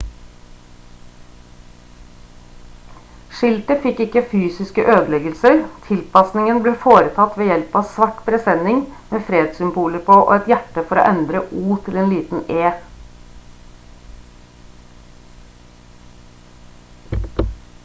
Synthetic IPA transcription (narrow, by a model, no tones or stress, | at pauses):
ʃɪlt̪əfɪkɪkəfyːsɪskəʔøːd̪əlɛɡəlsəɾt̪ʰɪlpɑsnɪŋənbleːfoːɾət̪ʰɑt̪ʋeːjɛlpɑːsʋɑʈbʰɾɛsɛnɪŋmeːfɾeːd̪sʏmbuːləɾpʰoːʔo̰ːɛt̪jæʈːəfɔɾo̰ːʔɛnd̪ɾəʔuːt̪ʰɪleːnliːt̪n̩eː